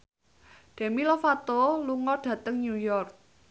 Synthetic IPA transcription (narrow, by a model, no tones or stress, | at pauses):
ɖ̥e̤milofat̪oluŋɔɖ̥ä̤t̪əŋɲujɔrk̚